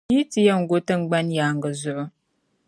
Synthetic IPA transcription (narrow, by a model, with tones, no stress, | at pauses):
i˦ti˦ja˦ŋ̩˦ɡo˦tə˦ŋ͡m̩˦ɡ͡ba˦njaː˨ŋ̩˨ɡə˨zʊ˨ʔʊ˦